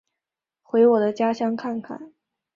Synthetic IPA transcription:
xwe˧˥ɪwɔ˨˩d̪ə˦t͡ɕja˥ɕjɑ˥ŋkʰa˥˩nkʰa̰˨˩˦n

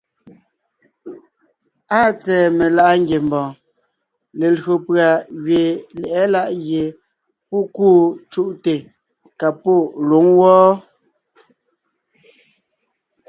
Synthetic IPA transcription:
a˦˨t͡sɛː˨me˨la˦ʔŋɡe˨mbɔ̃ː˨ | le˨lo˨pɰa˨ɣɥe˨lɛ˨ʔɛ˦la˦˨ʔɣje˨ | pɔ˦˨kuː˦˨t͡ʃu˦ʔte˨ | ka˨po˦˨lo˨˦ŋwɔː˦

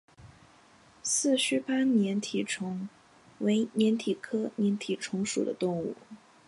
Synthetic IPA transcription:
sɹ̩˥˩ɕy˥˩pa˥njɛ˧˥nt̪ʰi˨˩ʈ͡ʂʰʊ˧˥ŋ | we˧˥ɪnjɛ˧˥nt̪ʰi˨˩kʰɤ˥njɛ˧˥nt̪ʰi˨˩ʈ͡ʂʰʊ˧˥ŋʂṵ˨˩d̪ə̰˦t̪ʊ˥˧ŋṵ˥˩

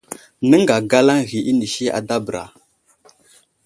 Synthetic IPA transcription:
nə˦ŋɡa˨ɡa˦la˦ŋɣi˨ʔi˦ni˨ʃi˦a̰˨da˦bə˨ɾa̰˨

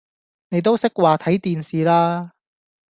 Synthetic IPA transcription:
ne˨˧jt̪̬o˥wsɪ˥k̚waː˨t̪ʰɐ˨˥jt̪iː˨nsiː˨laː˥

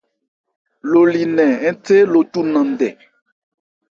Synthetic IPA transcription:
lo˨li˨nɛ̃˨ɛ̃˦te˦lo˨tu˦nã˨dɛ˨

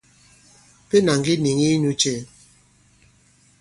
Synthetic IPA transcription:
pe˦na˨ŋɡi˦ni˨ŋi˦nu˦t͡ʃe˦˨

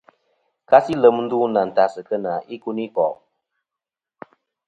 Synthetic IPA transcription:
ka˦si˦lə˨m˦n̩˦du˦na˨n̩˨ta˨sɨ˨kə˦na˨ʔi˦ku˦ni˦pɔ˨

